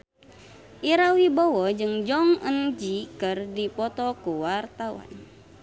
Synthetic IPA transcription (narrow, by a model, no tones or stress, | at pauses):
ʔiɾawibɔwɔd͡ʒɨŋd͡ʒɔŋənd͡ʒikɨrdipɔt̪ɔkuwart̪awa̰n